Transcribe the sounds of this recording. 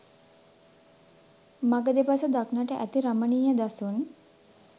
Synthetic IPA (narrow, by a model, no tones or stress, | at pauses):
maɡəd̪epasəd̪aknaʈəʔæt̪iɾəməɳiːjad̪asun